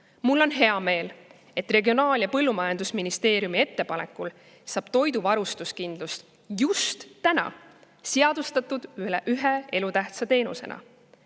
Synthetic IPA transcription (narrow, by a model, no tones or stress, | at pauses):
mulːo̞nɦe̞ɑme̞ːl | e̞t̪ːˑre̞ɡio̞nɑːljɑpɤlːumɑjɑnd̪usminist̪e̞ːɾijumie̞t̪ːe̞pɑne̞kːˑul | sɑːb̥t̪o̞jd̪̥uvɑɾust̪uskind̪lust̪ | just̪ːænɑ̰ | seɑd̪̥ust̪ɑt̪ːˑud̪̥yɦee̞lut̪æht̪sɑt̪e̞ːnṵse̞̰nɑ̰